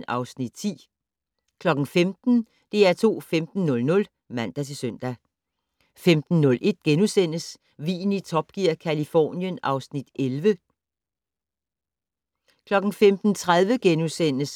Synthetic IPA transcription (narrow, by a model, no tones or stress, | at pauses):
nɑ̈ʊsnid̥̚t͡sʰḭː | kʰlɒ̽ɡ̥n̩femd̥n̩ | d̥e̝æɐt͡sʰo̝̰ːfemd̥n̩ːɔ̽lnɔ̽l | mæn̰d̥æt͡sʰe̝søn̰d̥æ | femd̥n̩ːɔ̽lʔe̝d̥̚ɡ̥enusen̰əs | ʋḭːn̩it͡sʰɒ̽b̥̚ɡ̥iɐ̰kʰælifɒ̰ːnjənɑ̈ʊsnid̥elʋə | kʰlɒ̽ɡ̥n̩femd̥n̩t͡sʰʁað̞ˠʋəɡ̥enusen̰əs